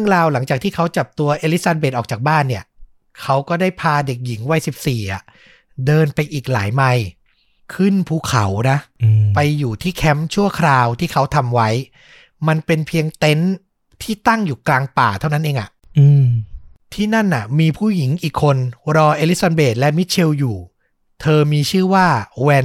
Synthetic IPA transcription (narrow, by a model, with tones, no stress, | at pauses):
ɾəŋɾaː˧wla˩˦ŋt͡ɕaː˨˩k̚t̪ʰiː˥˩kʰa˦˥wt͡ɕa˨˩p̚t̪u˧ɐʔeː˧li˦˥t̪̚sa˧nbe˨˩t̪̚ʔɔː˨˩t͡ɕaː˨˩k̚baː˥˩nːi˥˩ɐ | kʰa˦˥wkɔː˥˩daː˥˩jpʰaː˧de˨˩k̚ji˩˦ŋwa˧˥˩jsi˨˩p̚siː˨˩ʔa̰˨˩ʔ | dɤː˧npa˧jʔiː˨˩k̚la̰ː˩˦jma˧j | kʰɯ˥˩npʰuː˧˥˩kʰa˩˦wna˦˥pa˧jːuː˨˩t̪ʰiː˥˩kʰɛ˦˥mt͡ɕʰu˥˩ɐkʰɾaː˧wt̪ʰiː˥˩kʰa˦˥wt̪ʰa˧mwa˦˥j | ma˧npe˧npʰi˧əŋt̪e˦˥n | t̪ʰiː˥˩t̪a˥˩ŋjuː˨˩klaː˧ŋpaː˨˩t̪ʰa˥˩wna˦˥nʔeː˧ŋʔa̰˨˩ʔ | ɯː˧ | t̪ʰiː˥˩na˥˩nʔa˨˩miː˧pʰuː˥˩ji˩˦ŋʔiː˨˩kʰːo˧nɾɔː˧ʔeː˧li˦˥sa˧beː˨˩t̪̚lɛ˦˥mi˦˥t̪̚t͡ɕʰe˧wjuː˨˩ | t̪ʰɤː˧miː˧t͡ɕʰɯː˥˩waː˥˩wɛː˧